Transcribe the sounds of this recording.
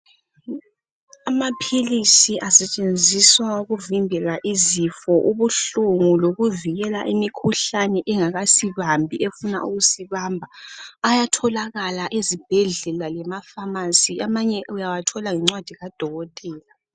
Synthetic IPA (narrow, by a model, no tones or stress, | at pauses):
amapʰilisiʔasɛt͡ʃʼend͡zʱiswauɣuvimbʱɛlaʔizifɔʔuβuɬuŋuloɣuviɣɛla̰ʔimikʰuɬanɛʔɛŋaɣasiβambʱiʔefuna̰ʔuɣusiβambʱaːjatʰɔlaɣalaʔezib̥ʱɛɮɛlalɛmafamasiamaɲɛujawatʰɔlaŋɛŋ͡ǀwad̥ʱiɣad̥ʱɔɣɔtʼɛːla